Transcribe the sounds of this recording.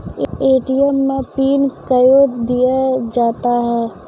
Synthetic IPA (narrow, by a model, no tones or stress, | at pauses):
eːʈijəmːẽpiːnkəjod̪ijad͡ʒaːt̪aɦɛː